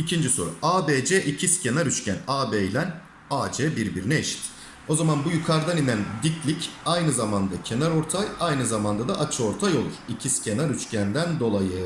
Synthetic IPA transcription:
icʰind͡ʒiso̞̰ɾṵaːbed͡ʒɛʔicʰiscʰʲe̞naɾyt͡ʃcʲænaːbejlʲæn | aːd͡ʒɛːbiɾbiɾinɛːʃi̥t̪ | o̞zamanbujykʰaɾd̪aninænd̪iclʲicajnɯzamand̪acʰe̞naɾo̞ɾt̪ʰajajnɯzamand̪ad̪aʔat͡ʃʰɯo̞ɾt̪ʰajo̞lˠuɾ̥icʰiscʲʰe̞naɾyt͡ʃcʰænd̪ænd̪o̞lˠajɯ

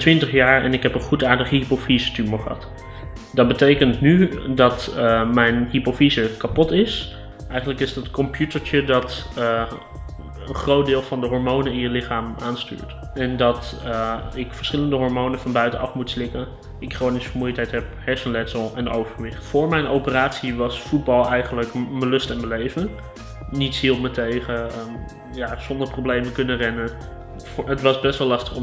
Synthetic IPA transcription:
tʋɪntəχjaːɹɛnɪkɦɛpənχutaːɹdəχəɦipofizətyməχəɦɑ̰t | dɑd̚bətejkəntnydɑtmɛjnɦipofizəkapɔtɪs | ʔɛjχəntləkɪsdətkɔmpjutəɹt͡ʃədɑt | ənχrowt̚dɪːlˠvɑndəɦɔɹmownəɪnjəlɪχaːmaːnsty̰ːɹt | ɛndɑt | ɪkfəɹsχɪləndəɦɔɹmownəfɑnbœɥtənɑfmutslɪkən | ɪkχownisə̥əɹmujətɦɛjtɦɛp̚hɛɹsənlɛtsəlˠɛno̰wvəɹʋɪχtfʊːɹmɛjnowpəraːtsiʋɑsfud̚bɑlˠɛjχənləkməlɵstɛnməlejvən | nitshilˠpmətejχəə | jaːz̥ɔndəɹprowblejməkɵnərɛnə | ətʋɑsbɛstʋɛlːɑstə̥χɔ

